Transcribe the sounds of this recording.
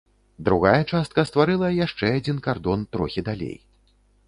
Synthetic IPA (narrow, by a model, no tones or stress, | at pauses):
d̪ɾuɣajɛt͡ʂast̪̚kɐst̪vaɾɨlˠɐjaʂt͡ʂɛad͡zʲinkard̪ɔnt̪ɾɔxʲid̪alʲḛj